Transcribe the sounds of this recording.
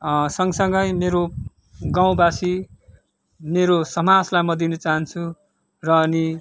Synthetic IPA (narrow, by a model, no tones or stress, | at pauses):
sʌŋɡsʌŋɡʌjmeɾo | ɡaw̃basi | meɾosʌmad͡zlajmʌd̪inʌt͡saɦʌnt͡sʰu | rʌːni